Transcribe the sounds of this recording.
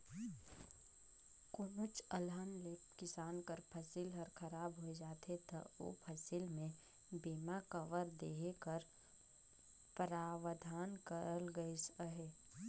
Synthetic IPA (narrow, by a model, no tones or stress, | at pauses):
kʊnət͡ʃəlaːnlepkɪsaːnkəɾpʰəsilɦəɾkʰɐɾaːbɦoed͡ʒaːt̪et̪ɐ̰o̰ːpʰɐsilmẽ | biːmakəʋəɾd̪eːɦekəɾ | pəɾaːʋəd̪ʱaːnkəɾəlɡəisəɦeː